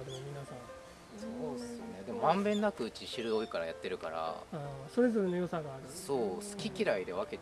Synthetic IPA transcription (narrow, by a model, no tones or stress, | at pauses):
d̪emomʲinasã | sooɨjone̞d̪e̞mo̞mãmbẽ̞nːakɯ̟ɯ̟t͡ɕiɕiɾɯ̟o̞ikaɾajat̪ːe̞ɾɯ̟ka̰ɾa̰ãso̞ɾe̞zo̞ɾe̞no̞jo̞saɡaːɾɯso̞ːsɨ̥kʲikʲiɾaid̪e̞β̞ake̞t̪